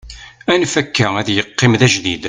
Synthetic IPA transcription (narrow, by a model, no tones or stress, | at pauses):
ænfækːææðjəqːɪmðæʒd̪id̪